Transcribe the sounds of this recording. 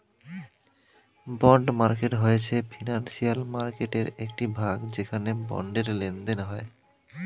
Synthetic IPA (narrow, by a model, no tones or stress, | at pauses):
bɔɳɖmaɾkeʈɦojet͡ɕʰefʰinansialmaɾkeʈeɾekʈibʱaɡd͡ʑekʰanebɔ̰ɳɖeɾlend̪enɦɔe